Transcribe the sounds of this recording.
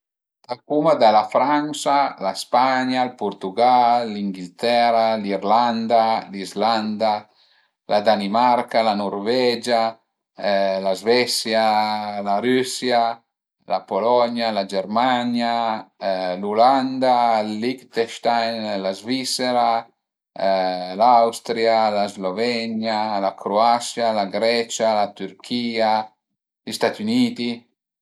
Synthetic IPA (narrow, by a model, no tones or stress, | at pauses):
d̪̥akumad̪alafɾansalaspaɲalpuɾt̪uɡalːiŋɡilt̪ɛɾaliɾland̪alizland̪a | lʔad̪animaɾkalanɔɾvɛd͡ʒa | lazvɛsjalaɾysja | lapolɔɲjalad͡ʒɛɾmaɲja | luland̪alikt̪ɛʃt̪ajnlazvisɛɾa | lawst̪ɾjalazlovɛɲjalakʰɾoasjalaɡɾɛt͡ʃalat̪yɾkʰiːa | list̪at̪uniːt̪i